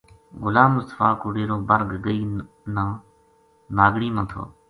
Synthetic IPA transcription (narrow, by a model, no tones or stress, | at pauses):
ɣʊlaːmʊst̪ə̥faːkʊːɽeːɾoːbəɾɡɡəiː | nãː | naːɡɽiːnãːt̪ʰo̰ː